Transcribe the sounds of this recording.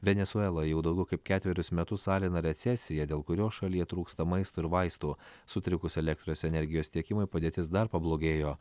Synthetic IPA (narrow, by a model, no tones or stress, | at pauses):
ʋʲɛnʲɛsʊɛlˠojɛʊd̪ɐʊɡʲɛʊkɐɪp̚ʲkʲæːt̪ʲʋʲɛɾʲʊsmʲɛt̪ʊsɑːlʲɪnɐɾʲɛt̪sʲɛsʲɪjɛd̪ʲeːlˠkʊɾʲoːʃɐlʲiːɛt̪ɾuːkst̪ɐmɐɪst̪oːɪɾʋɐɪst̪uːsʊt̪ʲɾʲɪkʊsɛlʲɛkt̪ɾoːsʲɛnʲɛɾʲɡʲɪjoːst̪ʲiɛkʲɪmʊɪpɐd̪ʲeːt̪ʲɪsd̪ɐɾpɐblˠoːɡʲeːjoː